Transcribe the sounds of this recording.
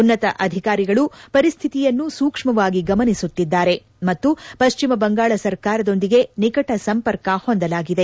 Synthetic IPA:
unːɐt̪ɐʔɐd̪ʱikaːɾiɡɐɭupɐɾist̪ʰit̪ijɐnːusuːkʂmɐʋaːɡiɡɐmɐnisut̪ːid̪ːaːɾe̞ | mɐt̪ːupɐʃt͡ʃimɐbɐŋɡaːɭɐsɐɾkaːɾɐd̪o̞nd̪iɡe̞nikɐʈɐsɐmpɐɾkɐho̞nd̪ɐlaːɡid̪e̞

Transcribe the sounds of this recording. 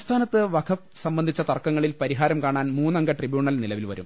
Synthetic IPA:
st̪ʰaːnɐt̪ːɨʋɐkʰɐsɐmbɐnd̪ʱit͡ɕːɐt̪ɐrkːɐŋːɐɭilpɐɾiɦaːɾɐmkaːɳaːnmuːnːɐŋɡɐʈribjuːɳɐlnilɐʋilʋɐ̰ɾṵm

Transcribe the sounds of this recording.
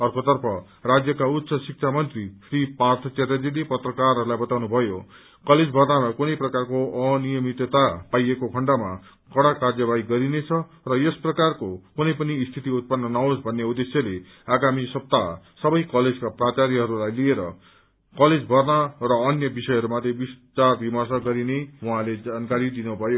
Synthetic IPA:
ʌrkot̪ʌrpʰʌ | rad͡zjʌkaut̪ːsʌsik̚t͡sʰamʌnt̪risripart̪ʰʌt͡set̪ad͡zid̪ipʌt̪rʌkarɦʌɾulajbʌt̪awnubʱʌjo | kʌled͡zbʱʌrnamakunʌjprʌkarkoʌnijʌmit̪ʌt̪apajekokʰʌɳɖama̰ | kʌɽakard͡zʌbaiɡʌɾinet͡sʰʌ | rʌjesprʌkarkokunʌjpʌnist̪ʰit̪iut̪̚pʌnːʌnaosbʱʌnːeud̪esjʌle | aɡamisʌp̚t̪asʌbʌjkʌled͡zkaprat͡saɾiɦʌɾulajlieɾʌ̰ | kʌled͡zbʱʌrnʌrʌːnjʌbisʌjɦʌɾumat̪ʰebistarbʱimʌrsaɡʌɾinewuɦãled͡zankaɾid̪inubʱʌjo

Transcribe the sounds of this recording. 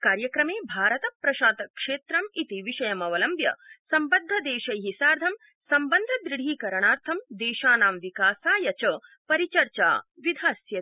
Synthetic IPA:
kaːɾjɐkɾɐmeːbʱaːɾɐt̪ɐpɾɐʃaːt̪ɐkʂeːt̪ɾɐmit̪iʋiʃɐjɐmɐʋɐlɐmbjɐ̰sɐmbɐd̪ʱːɐd̪eːʃɐjɦisaːɾd̪ʱɐm | sɐmbɐnd̪ʱɐd̪ɾiɽ̤iːkɐɾɐɳaːɾt̪ʰɐmd̪eːʃaːnaːmʋikaːsaːjɐt͡ʃɐpɐɾit͡ʃɐɾt͡ʃa̰ːʋid̪ʱaːsjɐ

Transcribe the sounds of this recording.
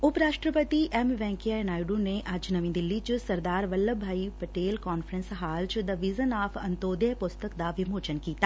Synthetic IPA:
ʊpɾaːʃʈɾəpət̪iʔɛmʋɛ̃ːŋkjanaːɪɖũneʔɐd͡ʒnəʋĩːd̪ɪlːit͡ʃsəɾd̪aːɾʋəlːəbʱaːipəʈeːlkaːnfʰəɾənsɦaːlt͡ʃd̪əʋɪzənaːpʰɐnt̪oːd̪əpʊst̪əkd̪aʋɪmoːt͡ʃənkiːt̪aː

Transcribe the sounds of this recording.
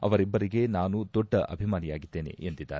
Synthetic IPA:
ɐ̰ʋɐɾibːɐɾiɡe̞naːnud̪ɔɖːɐʔɐbʱimaːnijaːɡid̪ːe̞ːne̞̰ent̪id̪ːa̰ːɾ

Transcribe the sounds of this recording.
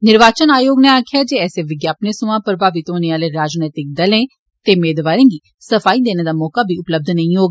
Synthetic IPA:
nɪɾʋaːt͡ʃənaːjoːɡnẽaːkʰjaːd͡ʒeːɛːseːʋɪɡjaːpneːsʊãːpəɾəbʱaːʋɪt̪oːneːaːleːɾaːd͡ʒnət̪ɪk̚d̪əlẽː | t̪eːmeːd̪ʋaːɾẽːɡiː | səpʰaːiːd̪eːneːd̪aːmɔːkaːbʱiːʊpləb̚d̪ʱnəĩɦoːɡ

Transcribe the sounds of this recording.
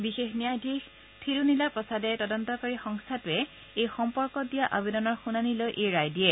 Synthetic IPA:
bixexnijadʱix | tʰilunilapɹɔsadɛtɔdɔntɔkɔɹixɔŋstʰatʊɛ | ejxɔmpɔɹkɔdijaʔabedɔnɔɹxunanilojʔejɹajdiɛ

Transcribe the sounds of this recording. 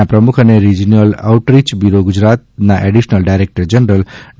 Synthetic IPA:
apɾəmukʰəneɾid͡ʒiniəla̰wʈɾit͡ʃbiɾoɡud͡ʒɾat̪̚naʔeɖiʃnəlɖajɾek̚ʈəɾd͡ʒənɾəl

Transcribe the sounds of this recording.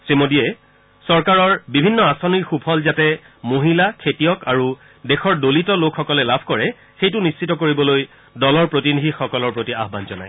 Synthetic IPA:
semodiɛ | sɔɹkaɹɔɹbibʱinːɔasoniɹxupʰɔlzatɛ | moɦilakʰetijɔkaɹu | dexɔɹdolitɔlokʰːɔkɔlɛlabʱkɔɹɛ | xejtʊnist͡ʃitɔkoɹibɔloj | dɔlɔɹpɹotinidʱixɔkɔlɔɹpɹotia̰ɦbanzɔna̰j

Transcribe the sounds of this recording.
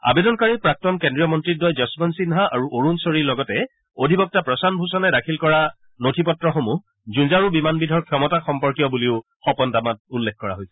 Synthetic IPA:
a̰bedɔnkaɹipɹak̚tɔnkendɹijɔmɔntɹit̚dɔjzɔsmɔnsinɦaʔaɹuʔoɹunsoɹiɹlɔɡɔtɛ | odʱibɔk̚tapɹɔsanbʱusɔnɛdakʰilkɔɹa | notʰipɔtɹɔxomu | zunzaɹubimanbidʱɔɹkʰjɔmɔtaxɔmpɔɹkijɔbuliʊ | xɔpɔntamat̚ulːɛkkɔɹa̰ɦojsɛ̥

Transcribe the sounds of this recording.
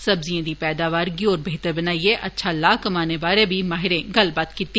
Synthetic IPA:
sɐbzijãd̪ipɛːd̪aːʋaːɾɡioːɾbeːt̪əɾbɐnaːieʔɐtːʃʰalaːkɐmaːnebaːɾẽbʱimaːɦɪɾẽɡɐlbət̪kiːt̪ːi

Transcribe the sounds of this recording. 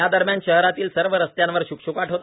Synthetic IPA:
ad̪əɾmjanɕəɦɾat̪iːlsəɾʋəɾəst̪jãnʋəɾɕukɕukaʈʰɦot̪

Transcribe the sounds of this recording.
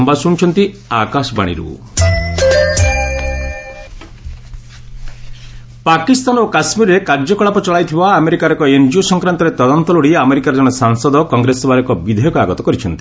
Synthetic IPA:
mbasuɽ̃t͡ʃʰɔnt̪i | akasɔba̰ɽ̃ḭɾṵ | pakist̪anokasmiɾɔɾekaɾd͡ʒɔkɔɭapɔt͡ʃɔɭajt̪ʰibaːmeɾikaɾɔkɔend͡ʒiusɔŋkɾant̪ɔɾet̪ɔd̪ɔnt̪ɔluɽiameɾikaɾɔd͡ʒɔɽ̃ɔsaŋsɔd̪ɔkɔŋɡɾesɔbaɾɔkɔbid̪ʱɔjɔkuaɡɔt̪ɔkɔɾit͡ʃʰɔnt̪i̥

